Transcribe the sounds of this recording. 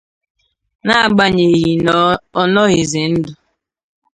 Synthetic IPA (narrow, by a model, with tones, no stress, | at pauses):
na˦a˨ɡ͡ba˦ɲe˨ɣi˨nɔ˨ɔ˦nɔ˦ɣe˨ze˨n̩˦dʊ˨